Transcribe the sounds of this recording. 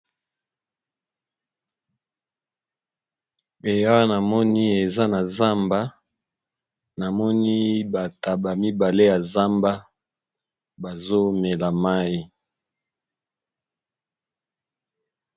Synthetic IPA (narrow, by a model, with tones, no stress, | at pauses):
e˨ja˦na˨mɔ˦ni˦e˨za˦na˨za˦mba˦ | na˨mɔ˦ni˦ba˨ta˨ba˨mi˦ba˨le˦ja˨za˦mba˦ | ba˨zo˦mɛ˨la˨ma˦i˦